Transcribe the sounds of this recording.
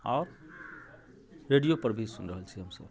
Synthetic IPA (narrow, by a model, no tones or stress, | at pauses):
aʊɾ | ɾeɖijopəɾbʱisunɾəɦəlt͡ʃʰiɦəmsə̰b